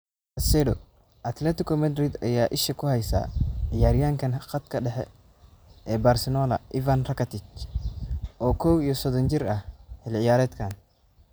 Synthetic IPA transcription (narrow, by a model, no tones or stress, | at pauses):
ɐsɛːdɔ | ʔɐt̪lɛt̪ɪkɔmɐd̪ɾid̪ɐ̰jaːʔɪʃɐkʰʊhɛjsa̰ːʕɪjaːɾɪjaːŋkʰɐnqɐt̪kʰɐɗɛħɛ̰ | ɛːbarsɛnɔːlɐ̰ʔivanrɐkʰɐt̪ɪt͡ʃ | ʔɔːkʰɔwijɔsɔd̪ɔnt͡ʃɪɾɐhhɛlʕɪjaːɾɛːd̪kʰaːn